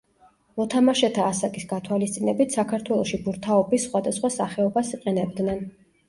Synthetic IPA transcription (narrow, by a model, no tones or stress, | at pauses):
mɔt̪ʰamaʃɛt̪ʰaːsakʼisɡat̪ʰwalist̪sʼinɛbit̪ʰsakʰaɾt̪ʰwɛlˠɔʃibuɾt̪ʰaɔbisːχwad̪asχwasaχɛɔbasiqʼɛnɛb̚d̪nɛn